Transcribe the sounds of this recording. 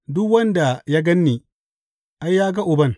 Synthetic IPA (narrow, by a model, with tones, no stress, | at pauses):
dʊ˦kwɐ˦nda˨jaː˦ɡɐ˦nːiː˨ | ʔa˦jːaː˦ɡa˦ʔʊ˨bɐ˦n